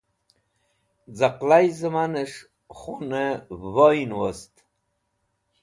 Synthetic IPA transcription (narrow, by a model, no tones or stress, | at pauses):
d͡zaqlajzəmanəʂ | χunəvojnwost̪